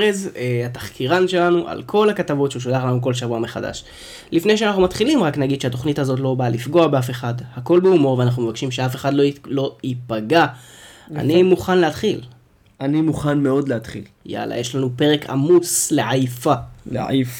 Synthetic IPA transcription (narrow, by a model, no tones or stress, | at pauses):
ezeat̪ḁχkiʁanʃe̞lanuʔa̰lkʰo̞lhakat̪avo̞tʃeuʃ̬odaχlanuk̬o̞lʃavuameχada̰ʃ | lifne̞jʃ̬eanaχnumatχilimʁaknaɡid̪ʃeat̪o̞χnithazo̞t̬lo̞balifɡo̞abeafe̞χadhako̞lbeumo̞ʁveanaχnumevakʃimʃeafe̞χadlolo̞ipaɡa | a̰nimuχanleat̪χil | ʔanimuχanmeo̞d̪leat̪χḭl | ja̰la̰jeʃlanupe̞ʁe̞kʰa̰mut͡sleʕajfalḛa̰f